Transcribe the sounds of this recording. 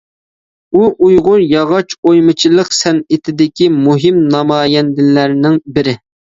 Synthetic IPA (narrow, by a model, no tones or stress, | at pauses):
uʔujʁʊɾjɑʁɑt͡ʃojmɨt͡ʃʰilˠəqsɛnɪt̪ʰɪd̪ɪkʲimuɦɪmnɑmɑːjɛnd̪ɪlæɾnɪŋbɪɾɪ